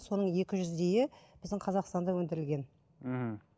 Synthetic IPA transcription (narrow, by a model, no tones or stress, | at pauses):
so̞nəɴje̞kʲɪʒʏzd̪e̞jɪb̥ɪzd̪ɪŋqʰɑzɑqst̪ɑnd̪ɑwɵnd̪ɪɾɪlɡʲe̞n̩